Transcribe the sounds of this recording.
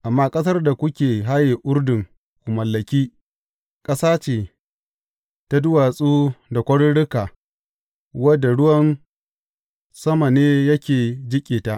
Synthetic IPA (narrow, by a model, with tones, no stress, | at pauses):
ʔa˨mːaː˦kʼɐ˦sɐ˦rda˨kʷʊ˦kʲeː˨ɦa˦jeː˨ʔʊ˦rdɪ˨ŋ | kʷʊ˨mɐ˨lːɐ˨kʲiː˦ | kʼɐ˦saː˦t͡ʃeː˨ | ta˦dʊ˦waː˨sʼuː˦da˨kʷɐ˦ɽɽɪ˦kaː˨ | wɐ˦dːa˨ɽʊ˦wɐ˦n | sɐ˦ma˨neː˦jɐ˦kʲeː˨d͡ʒɪ˦kʲʼeː˨ta˦ʔ